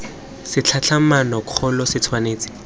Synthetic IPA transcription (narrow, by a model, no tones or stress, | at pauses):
sɪt͡ɬʰat͡ɬʰamanɔɔlɔsɪt͡sʰwaneːt͡sɪ̥